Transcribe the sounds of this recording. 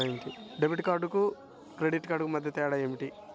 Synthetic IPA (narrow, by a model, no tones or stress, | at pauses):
emiʈiɖebiʈkaːɾɖuku | kɾeɖiʈːkaːɾɖukumɐd̪ʱjɐt̪ːɛːɽaemiʈi